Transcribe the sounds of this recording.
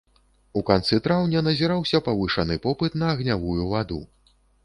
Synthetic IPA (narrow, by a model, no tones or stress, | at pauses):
ukant̪sɨt̪ɾawnʲɐnɐzʲiɾawsʲɐpɐvɨʂanɨpɔpɨt̪nɐːɣnʲavujuvad̪ṵ